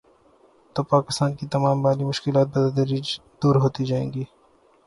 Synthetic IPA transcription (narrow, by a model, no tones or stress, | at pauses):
t̪oːpaːkɪst̪aːnkit̪ɐmaːmbaːlimʊʃkɪlaːt̪̚bɐd̪ɐd̪əɾid͡ʒd̪uːɾɦoːt̪id͡ʒaːẽːɡiː